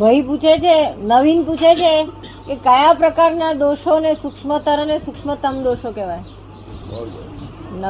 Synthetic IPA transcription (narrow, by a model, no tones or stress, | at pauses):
bʱəiput͡ʃʰet͡ʃʰenəʋinput͡ʃʰet͡ʃʰe | kekəjapɾəkaɾnad̪oʃonesʊkʂmət̪əɾənesʊkʂmət̪əmd̪oʃokeʋaj | nə